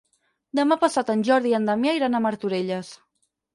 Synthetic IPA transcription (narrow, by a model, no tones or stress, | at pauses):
d̪əmapəsat̪ənʲʒɔɾðiənd̪əmjaiɾanəməɾt̪uɾeʎəs